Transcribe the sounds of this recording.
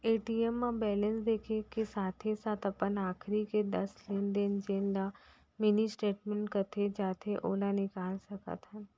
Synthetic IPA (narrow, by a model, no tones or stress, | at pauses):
eːʈiːɛmːãbɛːlə̃nsd̪eːkʰekesaːt̪ʰesaːt̪ʰɐpənaːkʰɾiked̪ɐsleːnd̪end͡ʒeːnla | mɪnisʈeːʈmẽɳʈkɐt̪ʰed͡ʒaːt̪ʰeʔoːlanɪkaːlsɐkə̰t̪ɦɛː